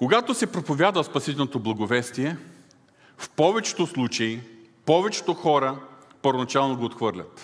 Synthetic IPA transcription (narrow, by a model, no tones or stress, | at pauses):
koɡat̪osɛpɾopovʲjad̪vəspɐsit̪ɛlnot̪oblˠɐɡovɛst̪iɛ | fpɔvɛt͡ʃɛ̥t̪oslˠut͡ʃɐi | pɔvɛt͡ʃɛ̥t̪oxɔɾə | pəɾvonɐt͡ʃalˠnoɡoot̪xvɤɾlʲət̪